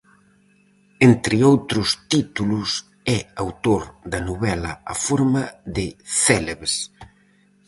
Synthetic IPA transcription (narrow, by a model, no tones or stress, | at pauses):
ent̪ɾɪowt̪ɾʊst̪it̪ulus | ɛawt̪oɾd̪ɐnoβɛlɐafoɾmɐðɪθɛleβes